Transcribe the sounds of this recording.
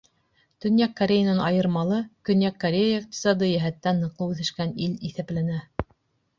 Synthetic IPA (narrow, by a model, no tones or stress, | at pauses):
t̪ɵ̆njækːɐɾʲejənɤnɑjɤ̆ɾmɑlˠɤkɵ̆njækːɐɾʲejəiq̚t̪ʲi̥sɑd̪ɤjæɦæt̪ːænːɤ̆qlˠɤwʉθɘ̆ʃkæniliθæplænæ